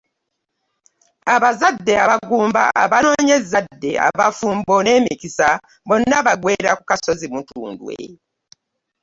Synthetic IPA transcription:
aβazadːe̞aβaɡuːmba̰ʔa̰βano̞ːɲezadːe̞a̰βafuːmbo̞ne̞ːmikisa | βo̞nːaβaɡwe̞ːɾakukaso̞zimutṵːndwḛ

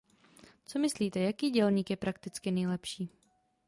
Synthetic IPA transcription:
t͡so̞mɪsliːt̪ɛjakiːɟɛlɲiːkjɛpɾʔak̚t̪ɪt͡skɪnɛjlɛpʃiː

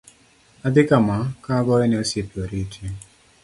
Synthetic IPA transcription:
ad̪ɪkamakaɡɔɾɛnɛɔsepjoɾiitʰje

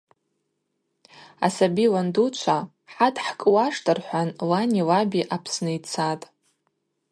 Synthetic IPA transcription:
a̰sabiwandut͡ʃʷʰa | ħatʰʼħkʼwaʂtʰʼɨrħʷanlanʲilabiʔapʰsnɨit͡sʰatʼ

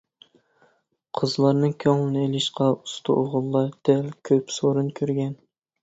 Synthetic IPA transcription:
qʰəzlˠɑɾnɨŋkʲʰøŋlˠɪnɪelɪʃqɑust̪ʰṵʔoʁʊlˠːɑd̪̥ɛlkʲʰøpsoɾunkʲʰøɾɡʲɛn

